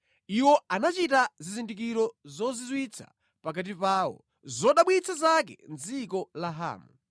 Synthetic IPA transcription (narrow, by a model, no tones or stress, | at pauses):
iwɔanat͡ʃitazizindik̬iɾɔzɔzizwit͡sʰa̰ | pak̬at̬ipaːwɔ̰ | zɔɗaɓwit͡sʰazak̬ɛ̰nzikɔlaɦa̰ːmu